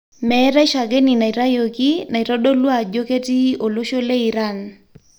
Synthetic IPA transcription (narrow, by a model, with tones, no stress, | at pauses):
mɛ˨˦ɾa˦i˦ʃa˨ɡe˦ni˨na˨i˨ɾa˦jo˨ki˦na˨i˨ɾɔ˦do˦lwa˨d͡ʒo˦ke˦ti˦o˨lo˦ʃo˦le˦i˨ɾa˦˨n